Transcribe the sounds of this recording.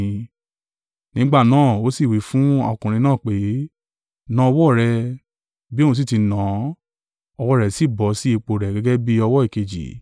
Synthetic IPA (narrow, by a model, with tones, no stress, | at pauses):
nĩ˨˦ɡ͡ba˦˨nãː˦˨o˨˦si˦˨wi˨˦fũ˦ɔ̰˧kũ˨ɾ̃ĩ˧nãː˦˨k͡pe˨˦ | nã˧˦ɔ˧wɔ˦˨ɾɛ˧ | bi˦o˦˨ũ˧s̬i˦˨ti˨˧nã˨˦ | ɔ˧wɔ˦˨ɾɛ˧˨si˦˨bɔ˨˦si˦i˧k͡po˧ɾɛ˨ɡɛ˦ɡɛ˦bi˦ɔ˧wɔ˦i˦˨ke˨d͡ʒḭ˨